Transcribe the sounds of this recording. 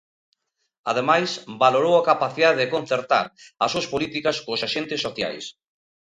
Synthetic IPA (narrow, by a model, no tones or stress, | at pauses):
a̰ðemajsbaloɾowɐkapaθiðaðeðekon̟θeɾt̪a̰ɾɐsuɐspolit̪ikɐskosaʃent̪ɪsːoθja̰js